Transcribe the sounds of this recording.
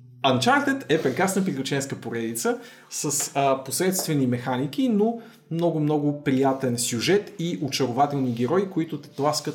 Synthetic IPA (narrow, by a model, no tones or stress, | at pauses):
ɐnt͡ʃaɾt̪ɛt̪ɛpɾɛkɾasnəpɾiklʲʊt͡ʃɛnskəpoɾɛd̪it̪sə | səsposɾɛt̪st̪vɛnimɛxanik̟ino | mnɔɡʊmnɔɡʊpɾijat̪ɛnsʲjuʒɛt̪iʔot͡ʃɐɾʊvat̪ɛlˠniɡʲɛɾɔikoit̪ʊplˠaskə